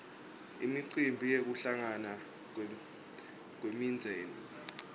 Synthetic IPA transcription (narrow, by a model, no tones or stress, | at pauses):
ḭmiǀimbʱijek̬uɬaŋana | k̬wemind͡zʱɛːnɔ